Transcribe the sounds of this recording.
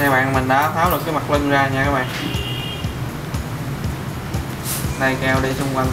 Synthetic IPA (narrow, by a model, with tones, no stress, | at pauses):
ɲaː˧˦ɓa̰ː˧˨mï̟˨˩ɗa̰ː˨˦t̪ʰaː˨˥wɨ˨˩kaː˨˦jma˨˩k̚lə˧nzaː˧ɲaː˧kaː˨˦˥ɓa̰ː˧˨nʔ | na˧jka˧˩wɗi˧t͡ɕʊ˧ŋ͡mka˧˩n